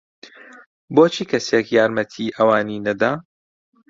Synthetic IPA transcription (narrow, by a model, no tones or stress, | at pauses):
boːt͡ʃʰiːkʰɐsekjaːɾmɐt̪ʰiʔɐwaːniːnɐd̪aː